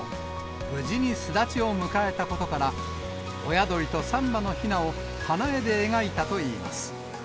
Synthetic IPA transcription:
bɯ̟ʑiɲ̟isɨd̪at͡ɕio̞mɯ̟kae̞t̪ako̞t̪o̞kaɾa | ojad̪o̞ɾʲit̪o̞sãmbano̞çinao̞ | hanae̞d̪e̞ːɡait̪at̪o̞iːma̰sɨ̥

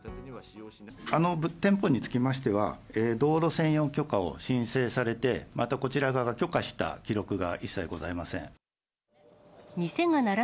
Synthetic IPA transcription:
ano̞bt̪ẽ̞mpo̞ɲ̟it͡sɨ̥kʲimaɕi̥t̪e̞β̞a̰eːd̪o̞ːɾo̞sẽ̞ɰ̃jo̞ŋkʲo̞kao̞̰ɕĩɰ̃se̞ːsaɾe̞t̪e̞mʔat̪ako̞t͡ɕiɾaɡaɡakʲo̞kaɕi̥t̪a̰kʲiɾo̞kɯ̟ɡa̰ʔisːaiɡo̞zaimasẽ̞̰ŋ | mʲise̞ŋanaɾa

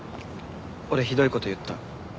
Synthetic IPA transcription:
oɾe̞çid̪o̞iko̞t̪o̞jɯ̟t̪ːa̰

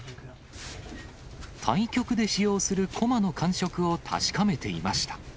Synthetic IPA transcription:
t̪ʰãĩkʲo̞kɯ̟d̪e̞ɕijo̞ːsɨɾɯ̟kʰo̞mano̞kʰãɰ̃ɕo̞kɯ̟o̞t̪ʰa̰ɕi̥kame̞t̪e̞ima̰ɕi̥t̪ḁ

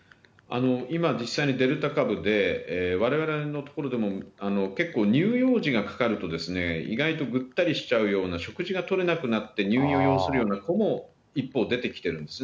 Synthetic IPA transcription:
a̰no̞imad͡ʑisːaiɲ̟id̪e̞ɾɯ̟t̪akabɯ̟d̪e̞eβaɾe̞β̞aɾe̞no̞t̪o̞̥ko̞ɾo̞d̪e̞mo̞ano̞ke̞kːo̞ːɲ̟ɨːjo̞ːʑiɡakḁkaɾɯ̟t̪o̞d̪e̞sɨne̞ḭɡait̪o̞ɡɯ̟t̪ːaɾʲiɕi̥t͡ɕaɯ̟jo̞ːnaɕo̞kɯ̟ʑiɡat̪o̞ɾe̞nakɯ̟nat̪ːe̞ɲʲɨːĩoːjo̞ːsɨɾɯ̟jo̞ːnako̞mo̞ | ipːo̞ːd̪e̞t̪e̞kʲi̥t̪e̞ɾɯ̟̃nd̪e̞sɨ

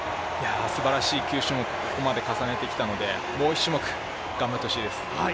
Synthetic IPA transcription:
jaːsɨbaɾaɕiːkʲɨːɕɨmok̟koko̞mad̪e̞kasane̞t̪e̞kʲi̥t̪ano̞d̪e̞ | mo̞ːiɕːɨmokɯ̟̥ | ɡ̥ãmbaɾt̪ːoɕiːd̪e̞sɨ̥a

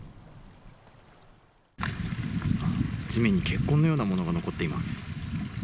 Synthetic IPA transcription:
d͡ʑimẽ̞ɲ̟ːike̞kːõ̞nːo̞joːnamo̞no̞ɡano̞ko̞t̪ːe̞imasɨ̥

